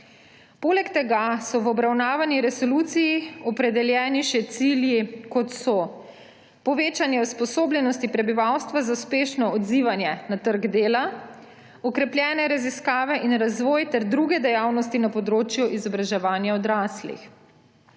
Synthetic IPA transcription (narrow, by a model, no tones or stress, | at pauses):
poːlɛkt̪ɛɡasɔʋɔbɾawnaːʋanjiɾɛsɔlut̪sijiɔpɾɛd̪ɛljɛːniʃɛt̪siljikɔt̪sɔ | pɔʋeːt͡ʃanjɛuspɔsoːblʲjɛnɔst̪ipɾɛbiʋawst̪ʋazauspeːʃnɔɔd̪ziʋanjɛnat̪əɾɡd̪eːla | ɔkɾɛplʲjɛːnɛɾaziskaːʋɛʔinɾazʋɔːjt̪ɛɾd̪ɾuɡɛd̪ɛjawnɔst̪inapɔd̪ɾoːt͡ʃjuʔizɔbɾaʒɛʋaːnjaɔd̪ɾaːslḭx